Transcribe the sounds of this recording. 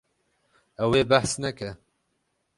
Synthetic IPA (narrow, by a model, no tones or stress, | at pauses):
ɛweːbæħsnɛkɛ